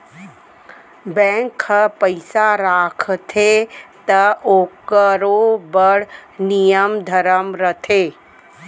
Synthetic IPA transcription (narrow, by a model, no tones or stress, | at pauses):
bɛ̃ːŋkəpəɪsaɾaːkʰt̪ʰet̪ɐoːkəɾobəɽnijəmd̪ʱəɾəmɾət̪ʰeː